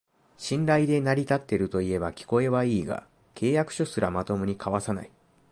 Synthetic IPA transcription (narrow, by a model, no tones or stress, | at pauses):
ɕĩnɾaid̪e̞naɾʲit̪at̪ːe̞ɾɯ̟t̪o̞ie̞bakʲi̥ko̞e̞βaiːɡa̰ | kʰe̞ːjakɯ̟̥ɕosɨɾamat̪o̞mɯ̟ɲ̟ikʰaβasana̰i